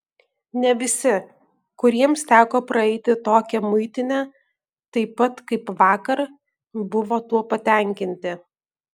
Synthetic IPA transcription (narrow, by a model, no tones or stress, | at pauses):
nʲɛʋʲɪsʲɪ | kʊɾʲiɛmst̪ʲæːkoːpɾɐɛɪt̪ʲɪt̪oːkʲɛmʊɪt̪ʲɪnʲɛ | t̪ɐɪpɐt̪kɐɪpʋɑːkɐɾ | bʊʋoːt̪uɔpɐt̪ʲɛˑŋʲkʲɪnʲt̪ʲɪ